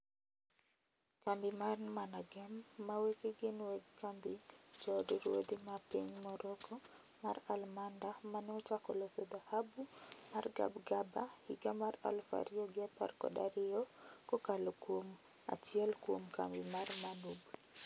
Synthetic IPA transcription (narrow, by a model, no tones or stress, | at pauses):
kambimarnmanaɡɛmːawekiɡinwɛɡkambid͡ʒɔdiɾwo̰d̪imapeɲmɔɾɔɡɔ | maɾalmandamanɔtakɔlɔt̪ɔd̪ahabumarɡa̰bɡabahiɡamaɾa̰lfa̰ɾiɔɡapa̰rkɔ̰da̰ɾiɔkɔkalokwom | a̰t͡ʃiɛlkwomka̰mbimaɾmanub